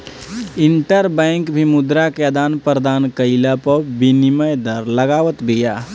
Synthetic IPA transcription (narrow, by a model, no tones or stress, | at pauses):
ɪɳʈəɾbɛ̃ːŋkbʱimʊd̪ɾakeəd̪aːnpɾəd̪aːnkəɪlapəbinɪməjd̪əɾləɡaːʋət̪bʱijaː